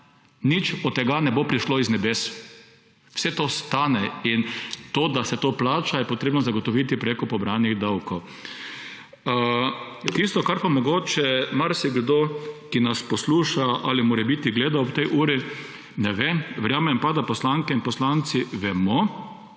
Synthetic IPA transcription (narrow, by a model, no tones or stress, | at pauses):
nit͡ʃɔt̪ːɛɡanɛbopɾiʃloiznɛbeːs | wsɛt̪oːst̪aːnɛint̪od̪asɛt̪oːplaːt͡ʃajɛpɔt̪ɾeːbnɔzaɡɔt̪ɔʋit̪ipɾeːkɔpɔbɾaniɣd̪awkɔw | t̪ist̪ɔkaɾpamɔɡoːt͡ʃɛmaɾsiɡd̪okinaspɔsluːʃaʔa̰limoːɾɛbit̪iɡleːd̪aopt̪ɛjʔuːɾi | nɛʋemʋɛɾjaːmɛmpad̪apɔslaŋkɛinpɔslant̪siʋɛmɔ